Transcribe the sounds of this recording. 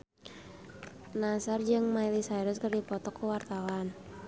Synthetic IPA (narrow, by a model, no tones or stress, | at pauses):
nasard͡ʒɨŋmailisajɾʊskərdipɔt̪ɔkːuwart̪awan